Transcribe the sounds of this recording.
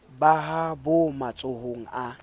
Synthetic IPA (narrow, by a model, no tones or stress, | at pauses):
baɦabʊmat͡sʼʊhoŋ̩a